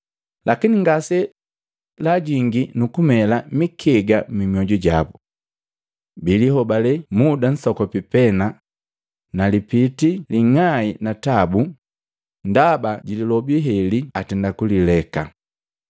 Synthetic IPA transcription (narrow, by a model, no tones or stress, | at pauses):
lakiniŋɡasɛ | laɟiŋɡinukumɛlamikʰɛɡamimiɔɟuɟabu | biliɦɔbalɛmudan̩sɔkɔpipɛna | nalipitiliŋainatabu | ndabaɟililɔbiɦɛliatɛndakulilɛka̰